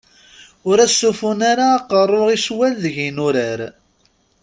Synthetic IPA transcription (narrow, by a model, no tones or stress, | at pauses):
ʊɾæsːufʊnaɾaːqərˤːoʁiʃwælðəʝinʊɾæɾ